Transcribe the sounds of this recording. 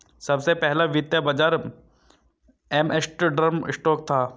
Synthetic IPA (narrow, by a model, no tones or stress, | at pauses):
sɐbsepɛɦlaʋɪt̪jabɐd͡ʒaːɾ | ɛmesʈɖɾəɾmɪ̰sʈɔːk̚t̪ʰaː